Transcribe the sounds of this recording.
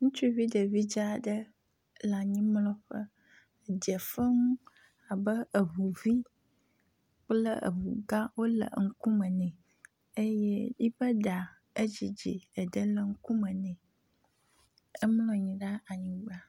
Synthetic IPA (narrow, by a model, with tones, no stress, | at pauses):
ŋũ˦t͡ʃu˦i˦vi˦ɖə˨vi˦d͡ʒa˦˨ɖə˦ | la˨ɲĩ˦mlɔ̃˦ɸə˦˨ | d͡ʒɛ˨fə˦ŋũ˦ | a˨bə˦ə˨βu˨vi˦ | k͡plə̰˦ʔə̰˨βu˨ɡa˦wo˦lə̰˨ŋ̩˦ku˦mə̃˨nɛ̃˨ | e˦jɛ˦di˦bə˦ɖa˨ | ə˦d͡ʑi˨d͡ʑḭ˨ə˨ɖə˦lə˦ŋ̩˦ku˦mə̃˨nɛ̃˨ | ə˦mlɔ̃˦ɲĩ˨ɖa˦a˨ɲĩ˨ɡ͡ba˦